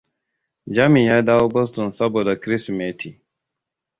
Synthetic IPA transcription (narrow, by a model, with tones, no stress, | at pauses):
d͡ʒa˦mi˨jaː˦daː˦woː˦bɔ˦stɔ˨nsɐ˦boː˨da˨kɾɪ˦smeː˨˦tʰi˨